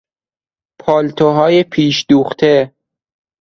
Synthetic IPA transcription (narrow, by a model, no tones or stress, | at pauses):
pʰɒːlt̪ʰoɦɒːjepʰiːʃd̪uːxt̪ʰe